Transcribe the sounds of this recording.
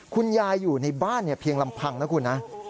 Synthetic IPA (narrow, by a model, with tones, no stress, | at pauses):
kʰu˧njaː˧jːuː˨˩na˧jbaː˥˩nːi˥˩ɐpʰi˧əŋla˧mpʰa˧ŋna˦˥kʰu˧nːa˦˥